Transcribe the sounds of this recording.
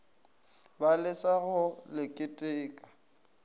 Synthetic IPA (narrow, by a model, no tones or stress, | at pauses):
balɪsaɣʊlɪkʼɪtʼɪːkʼḁ